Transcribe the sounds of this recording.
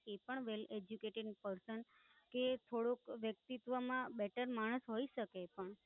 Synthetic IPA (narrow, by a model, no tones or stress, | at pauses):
epəɳʋeled͡ʒjukeʈeɖpəɾsən | ket̪ʰoɽokʋjək̚t̪it̪ʋəmãbɛʈəɾmaɽ̃əsɦoiʃəkepəɳ